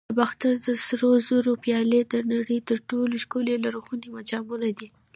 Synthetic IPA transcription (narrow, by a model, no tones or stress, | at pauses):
baxt̪ad̪əsɾozoɾopjɑled̪ənaɽəjt̪əɾʈoloʃkolelaɾoxunemad͡ʒɑmunad̪i